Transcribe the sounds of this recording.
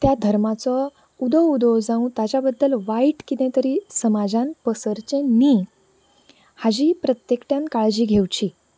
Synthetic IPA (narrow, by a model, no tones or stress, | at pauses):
t̪jad̪ʱəɾmat͡sɔ | ud̪əud̪ɔwd͡zãũt̪at͡ɕabəd̪ːəlʋaiʈkit̪ɛ̃t̪əɾiːsəmad͡zãnpəsəɾt͡ɕẽniː | had͡ʑiːpɾət̪jekʈjãnkaɭd͡ʑiːɡʱewt͡ɕi